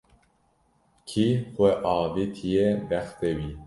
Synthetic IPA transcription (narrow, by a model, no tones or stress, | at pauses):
kʰixʷɛʔɑːvit̪ʰijebɛxt̪ewi